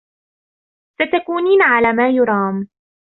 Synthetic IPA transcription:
sat̪akuːniːnʕalaːmaːjʊɾˤɑːm

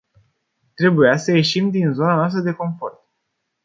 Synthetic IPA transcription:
t̪ɾe̞bujasəje̞ʃimd̪inzo̞nanoast̪ɾəd̪e̞ko̞ɱfo̞rt̪̚

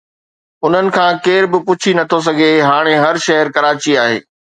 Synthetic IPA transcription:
ʊn̤ənɪ̆kʰãːkeːɾbɪpʊt͡ɕʰinɐt̪ʰos̬ɐɡʱeɦaːɽ̃eɦɐɾʃɐɦəɾkɐɾaːt͡ɕiaːɦḛː

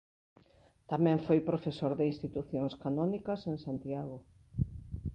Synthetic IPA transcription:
t̪amɛ̃ɱfojpɾofesoɾðɪinst̪it̪uθjõŋskanɔnikɐseŋsant̪jaɣo

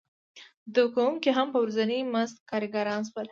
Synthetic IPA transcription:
d̪ukaumkeɦampəwɾuzaniməst̪̚kɑɾɡaɾɑnswəl

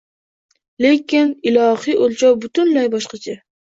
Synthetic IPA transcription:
le̞kʲɪnɪlˠɒhiʔolt͡ʃʰɒwbʊt̪ʊnlajbɒʃqɑt͡ʃʰa

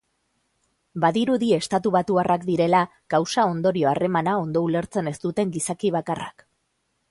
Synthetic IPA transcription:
baðiɾuðie̞st̪at̪uβ̞at̪uarʔakd̪iɾe̞la | ɡ̥awsao̞nd̪o̞ɾio̞are̞manao̞nd̪o̞ule̞ɾt͡se̞ne̞st̪ut̪e̞ŋɡisakiβakara̰k

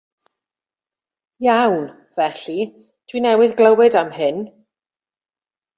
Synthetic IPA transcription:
jawn | v̥ɛɬi | tʰwinɛwɪðɡləwɪdamhɪn

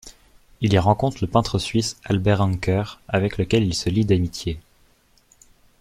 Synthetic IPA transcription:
iliʁɑ̃kɔ̃t̪χələpɛ̃t̪χəsɥisalbɛʁɑ̃ŋkœʁavɛkləkʲɛlilsəlid̪amit̪je

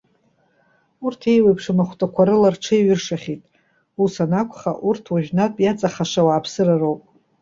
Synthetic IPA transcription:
urtʰe̞jwejpʰʂɨmaχʷtʼakʷʰaɾɨlarʈ͡ʂʰɨiɥʏrʂaχʲitʼ | usanakʷʰχa̰ʔurtʰwaʒᶣnatʼjat͡sʼaχaʂawaːpʰsɨrarowpʼ

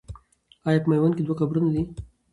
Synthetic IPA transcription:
ajakmajwanked̪waxabɾunad̪i

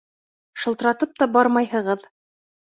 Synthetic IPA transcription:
ʃɤ̆lˠt̪ɤ̆ɾɑt̪ɤp̚t̪ɑbɑɾmɑjhɤ̆ʁɤð

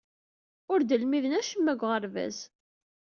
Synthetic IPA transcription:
ʊɾd̪əlmiðənæʃəmːæɡʷʁəɾvæ̰z

